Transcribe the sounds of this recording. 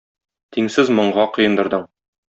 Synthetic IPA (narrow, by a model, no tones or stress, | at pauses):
t̪iŋsɘzmŏɴʁɑqɤ̆jɤ̆nd̪ɤ̆ɾd̪ɤɴ